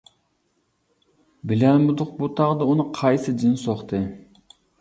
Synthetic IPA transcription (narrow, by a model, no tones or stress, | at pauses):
bɪlɛnmud̪ʊqbut̪ʰɑʁd̪ɑunɨqʰɑjsɨd͡ʒinsoχt̪ʰɨ